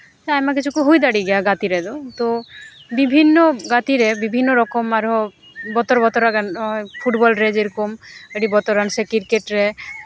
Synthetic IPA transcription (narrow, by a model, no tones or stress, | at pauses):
t͡ʃamak̬it͡ʃʰukoɦojd̪aɽiɡɛaɡat̪iɾɛd̪ot̪obibʱinːoɡat̪iɾɛbibʱinːoɾɔkɔmaɾo | bɔt̪ɔɾbɔt̪ɔɾaɡanpʰuʈbɔlɾed͡ʒeɾkomeʈibɔt̪ɔɾansekiɾkeʈɾɛ